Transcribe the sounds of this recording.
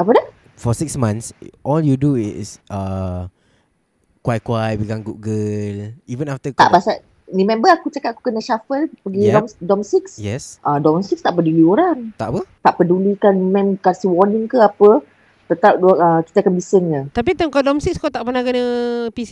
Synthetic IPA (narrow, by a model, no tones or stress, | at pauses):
apədah | fɔsiksmãnsʔɔljuduɪ̰sa | kwajkwajwiɡaŋɡuɡəlivə̃naft̪əaʔbasaʔ | nimɛ̃mbəakut͡ʃakat̪̚aku̥kənəʃafəlpəɡidɔmdɔmsiksjɛsʔadɔmsikst̪aʔpəduliɔɾant̪a̰ʔpət̪aʔpədulikanmɛ̃mkasiwɔnĩŋkəapə | t̪ət̪ap̚daəki̥t̪akanbisənɲət̪ap̬it̪əmkadɔmsikskot̪aʔpənakənəpis